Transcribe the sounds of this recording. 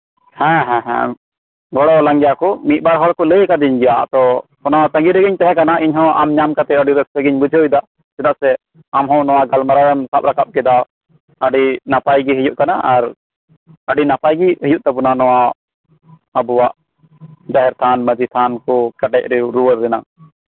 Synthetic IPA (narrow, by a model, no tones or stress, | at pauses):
hɛ̃ɦɛ̃ɦɛ̰̃ | ɡɔɽɔləŋɡjakɔmit̪̚baɾɦɔɽkɔləjkad̪iɲɡɛjat̪ɔpɔnat̪ə̃ŋɡiɾəɡiɲt̪ɛɦɛ̃kanaʔiɲɦɔ̃amɲamkat̪ɛəɖiɾəsɾəɡiɲbud͡ʒʱəjd̪aʔ | sɛd̪aʔsɛ | amɦɔ̃wnɔwaɡalmaɾaɾɛmsap̚ɾakap̚kɛd̪a | əɖinapajɡiɦəjuʔkanaʔaɾ | əɖinapajɡihəjuʔ̚t̪ɛbunanɔwa | əbuwaʔ | d͡ʒaɦɛɾt̪ʰanməd͡ʒit̪ʰankɔkəʈɛc̚ɾɛuɾuwəɾːɛna